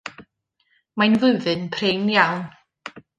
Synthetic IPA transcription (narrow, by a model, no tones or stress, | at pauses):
majnvʊɨðɨnpʰrenjawn